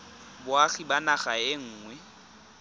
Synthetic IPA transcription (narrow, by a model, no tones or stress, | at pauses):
bʊaχibanaχaɪŋ̩ːŋwɛ